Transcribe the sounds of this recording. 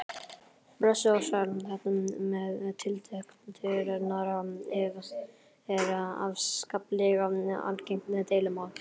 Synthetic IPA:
bɾasɪsalθɛt̪nʏmmɛðt̪ʰɪlt̪ʰœhk̪t̪ʰɪɾnaɾaɛva | ɛɾa̰vskaplɛɣaa̰lceŋ̥knɛt̪eːjlɪmawl

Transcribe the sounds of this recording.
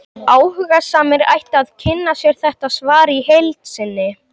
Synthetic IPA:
aːwhʏɣasaːmɪɾa̰jht̪aðcʰɪnːasjɛɾ̥θɛht̪aðsvaːɾɪihejlt̪sɪnːɪ

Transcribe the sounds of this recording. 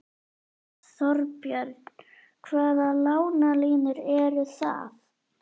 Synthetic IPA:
θɔɾpjœɾt̪̚nn | kʰvaːðalaːwnaliːnʏɾɛɾʏθa̰ːf

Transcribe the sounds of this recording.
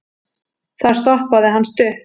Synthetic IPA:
θaɾ̥st̪ɔhpaðɪɦanst̪ʏh

